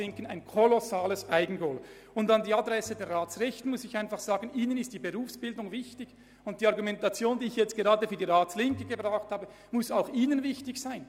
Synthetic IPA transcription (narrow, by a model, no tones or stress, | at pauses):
ɪŋkənaɪnkʰɔlɔsaːləsaɪɡn̩ɡoːl | ʊndɑndiːɑdʁɛsədɛɐʁaːtt͡sʁɛçtn̩mʊsɪçaɪnfɑχz̥aːɡənʔiːnənɪstd̥iːbeʁuːfsb̥ɪldʊŋvɪçtɪç | ʊnt̚d̥iːɑʁɡumɛntat͡sjoːndiːɪçjɛt͡stɡ̥eʁɑːdəfyːɐdiːʁaːslɪŋkəɡ̥əbʁaʊxthaːbə | mʊsaʊxiːnənvɪçtɪçsaɪn